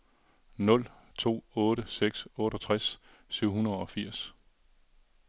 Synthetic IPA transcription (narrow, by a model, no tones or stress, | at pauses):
nɔ̽l | t͡sʰo̝̰ːɔ̽ːɾəseɡ̥sɔ̽ːɾ̥ɒt͡sʰʁasː | yʊ̰hunɐð̩ˠɒ̽fiɐ̰s